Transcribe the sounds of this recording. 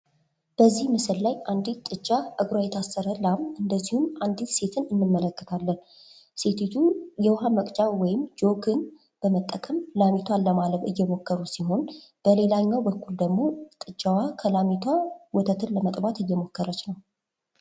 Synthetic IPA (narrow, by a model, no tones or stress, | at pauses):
b̥əzːihmɨsɨllajand̪itt̪ʼːɨt͡ʃʼːaʔɨɡɾwajɛt̪ʰasːəɾəlamɨnd̪əzːihumand̪it̪se̞t̪ʰɨnɨnːɨnːələkːə̥t̪ʰalːən | se̞t̪ʰet̪ʰujɛwɦaməkʼt͡ʃʼawɔjɪmd͡ʒo̞kʰɨn | b̥əmət̪ʼːəkʼəmlamit̪ʰwalːəmaləβɨ̰jːɛmo̞kːəɾusiɦo̞nb̥əle̞laɲːawbəkːuld̪əɡmo̞t̪ʼɨt͡ʃʼːawakʰəlamit̪ʰwawɔt̪ʰət̪ʰɨnləmət̪ʼbat̪ɨjːɛmo̞kːəɾət͡ʃnəw